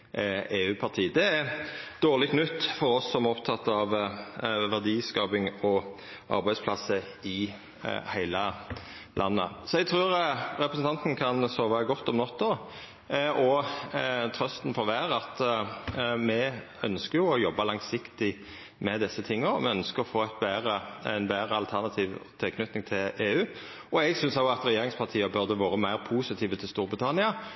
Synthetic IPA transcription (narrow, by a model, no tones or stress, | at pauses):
eːʉːpʰɑʁt̪ʰiːd̪ɛæd̪̥oːʁlɪkʰnʉt̪ːfɔɾɔsːɔmɔpt̪ʰɑt̪ːɑʋ | ʋæʁd̪iːskɑːbɪŋɔ | ʔɑ̰ɾbæɪspʰlɑsːə | ɪ | hæɪlə | lʔɑnːə̰sɔɛɡ̚t̪ʰʁʉːɾɾɛpɾəsn̩t̪ɑnt̪n̩kʰɑnsoːʋɑɡɔt̪ːɔmnɔt̪ʰːɔ | ɔ | t̪ʰɾœst̪n̩fɔʁʋæːʁəɑt̪ | mɛ | œnskəjʊɔjɔbːɑlɑŋsɪkt̪ɪ | mɛd̪ɪsːət̪ʰɪŋːəɾmɛœnskəɾɔfoːæt̪̚bæːʁəɛɪnbæːɾəɑlt̪ʰæʁnɑt̪ʰiːʋt̪ʰɛkʰnʉt̪nɪŋt̪ʰɪleːʉː | ɔɛɡsʏnsɑɑt̪ɾɛjeːɾɪŋspʰɑʁt̪ʰiːəbœɾd̪əʋoːɾəmæɪɾpʰuːsɪt̪ʰiːʋət̪ʰɪlst̪uːɾbɾɪt̪ʰɑnɪɑ